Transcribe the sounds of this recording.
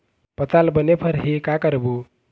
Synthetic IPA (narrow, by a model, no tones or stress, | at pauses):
pət͡salbənepʰəɾɦekakəɾbu